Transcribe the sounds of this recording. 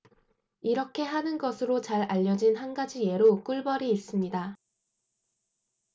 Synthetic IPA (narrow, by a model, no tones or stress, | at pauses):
iɾʌkʰe̞ɦanɯnɡʌsʰɯɾot͡ɕaɾaʎːʌd͡ʑinhanɡad͡ʑije̞ɾok͈uɭbʌɾiːs͈ɯmɲida